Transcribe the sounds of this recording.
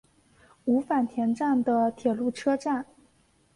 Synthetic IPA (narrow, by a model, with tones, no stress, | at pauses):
u˧˥fa˨˩nt̪ʰjɛ˧˥nʈ͡ʂa˥˩nd̪ə˩t̪ʰjɛ˨˩lu˥˩ʈ͡ʂʰɤ˥ʈ͡ʂa˥˩n